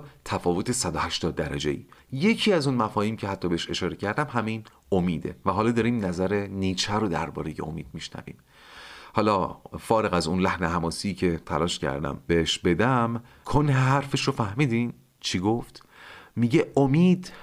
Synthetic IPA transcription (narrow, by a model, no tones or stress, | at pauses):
t̪ʰæfɒːvo̞t̪ʰe̞sæd̪ohæʃt̪ɒːd̪̚ːæɾæ̰d͡ʒe̞̰ḭːje̞cʰiːæzunmæfɒːhiːmcʰehæt̪ʰːɒːbeeʃe̞ʃɒːɾecʰæɾd̪æmɦæmin | omiːd̪ḛvæɦɒːlɒːd̪ɒːɾiːmnæzæɾe̞niːt͡ʃʰæɾod̪æ̰ɾbɒ̰ːɾe̞jḛo̰miːd̪̥̚miʃnæ̰vḭːm | hɒːlɒfɒːɾe̞ɣæzunlæhneɦæmɒːsiːcʰet̪ʰæ̰lɒːʃcʰæ̰ɾd̪æ̰mbeeʃbe̞d̪æm | kʰonheɦæɾfeʃɾofæhmiːd̪im | t͡ʃʰiɡoft̪ | miɟeomiːd̪